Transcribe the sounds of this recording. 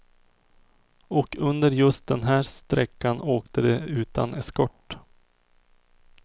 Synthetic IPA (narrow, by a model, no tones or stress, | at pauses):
ɔkʰɵnd̪əɾjɵst̪̚d̪ɛnɦæːɾst̪ɾɛkːanoːkt̪əd̪ɛʉ̟ːt̪a̰nʔɛskɔʈː